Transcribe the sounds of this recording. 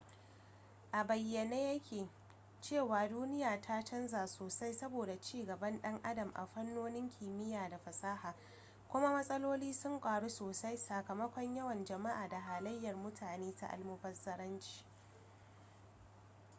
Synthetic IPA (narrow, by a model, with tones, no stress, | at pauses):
ʔa˨bɐ˨jːɐ˨neː˦jɐ˦kʲeː˨ | t͡ʃeː˦˨waː˨duː˦nɪ˦jaː˨tʰa˦t͡ʃɐ˦nzaː˨soː˨sa˦jsɐ˦boː˨da˨t͡ʃiː˦˨ɡɐ˨bɐ˦nɗɐ˦ŋʔa˦dɐ˨mʔa̰˨ɸɐ˦nːoː˦nɪ˦ŋkʲʰiː˨mɪ˦jaː˨da˨ɸɐ˨sʼaː˦haː˨ | kʷʊ˦ma˦mɐ˦sʼɐ˦loː˦liː˦sʊ˦ŋkʷʼaː˨ɽu˦soː˨sa˦jsa˨kɐ˨mɐ˦kʷɔ˦ɲjɐ˦wɐ˨nd͡ʒɐ˨ma˦ʔaː˨da˨ɦaː˨lɐ˦jːɐ˨rmʊ˦tʰaː˨neː˦ta̰˦ʔa̰˨lmʊ˦ɸɐ˦rzɐ˦ɾɐ˦nt͡ʃi̥ː˨